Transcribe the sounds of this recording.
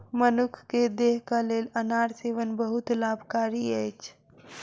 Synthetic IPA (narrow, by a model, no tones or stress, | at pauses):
mənʊkʰked̪eːɦkaleːlənaːɽseːʋənbəɦʊt̪laːbʱkaːɾiɛt͡ʃ